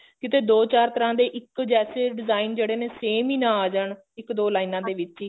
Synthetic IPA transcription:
kɪt̪eːd̪oːt͡ʃaːɾt̪əɾãːd̪eːʔɪkd͡ʒɛːseːɖɪzaːiːnd͡ʒeːɽeːneːseːmiːnãːaːd͡ʒəɳ | ɪkd̪oːlaːinãːd̪eːʋɪt͡ʃiː

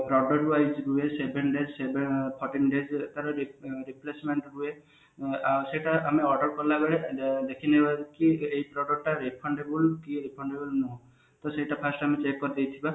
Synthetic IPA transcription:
pɾɔɖɔʈɾuajd͡ʒɾuesebenɖezsebepʰɔɾʈinɖezet̪aɾɔɾiɾiplesmeɳʈɾue | aseiʈaameɔɾɖɔɾkɔlaɡeɭed̪ekʰinebakieipɾɔɖɔk̚ʈaɾipʰɔɳɖebulkiɾipʰɔɳɖebɔlnuɦ | t̪ɔseiʈapʰasʈamet͡ʃekːɔɾid̪ejt̪ʰiba

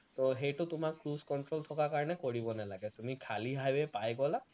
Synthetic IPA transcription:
tɔɦejtʊtʊmakːɹuzkɔntɹoltʰɔkakaɹɔnɛkoɹibɔnalaɡɛtumikʰaliɦajbɛpajɡɔla

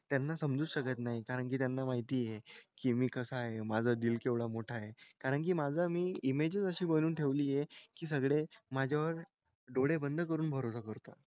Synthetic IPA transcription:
t̪janːasəmd͡zuːɕəkət̪naɦikaɾəɳk̬iːt̪janːamaɦit̪iːjekiːmiːkəsaɦemad͡zʱəd̪ilkeʋɭamoʈʰajekaɾəɳk̬iːmad͡zʱəmiːimed͡ʑət͡səɕiːbəluːnʈʰeʋliːjekiːs̬əɡɭemad͡ʑʱjaʋəɾ | ɖoɽebənd̪ʱəkəɾuːnbʱəɾosəkəɾt̪a

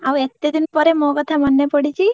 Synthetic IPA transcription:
aʋet̪ːed̪inpɔɾemɔɡət̪ʰamənːepəɽit͡ʃʰi

